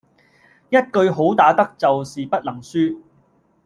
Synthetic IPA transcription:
jɐ˥t̚kɵ˧ɥɦo˨˥wt̪aː˨˥t̪ɐ˥k̚t͡sɐ˨wsiː˨pɐ˥t̚lɐ˨˩ŋsyː˥

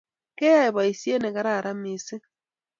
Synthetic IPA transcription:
ke˦ja˦e˨βa˨i˨si˦e˦ne˨ka˦ɾa˦˨ɾa˦mi˨si˦

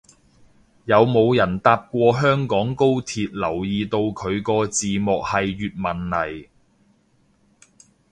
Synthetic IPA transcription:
jɐ˨˧wmo˨˧wjɐ˨˩nt̪aː˧p̚kʷɔː˧ɦœː˥ŋkɔː˨˥ŋko˥wt̪ʰiː˨˧t̚lɐ˨˩wjiː˧t̪o˧wkʰɵ˨˧ɥkɔː˧t͡siː˨mɔː˨k̚hɐ˨jːyː˨t̚mɐ˨˩nlɐ˨˩j

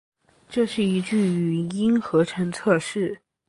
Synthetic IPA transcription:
ʈ͡ʂɤ˥˧ʂɻ̩˥˩i˧˥ʈ͡ʂy˥˩y˧˩˧i˥nxɤ˧˥ʈ͡ʂʰɤ˧˥ŋt͡sʰɤ˥˧ʂɻ̩˥˩

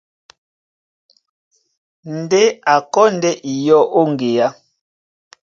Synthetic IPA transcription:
n˨de˦a˨kɔ˦ndɛ˦ʔi˨jɔ˦ʔo˦ŋ˨ɡe˨ja˦

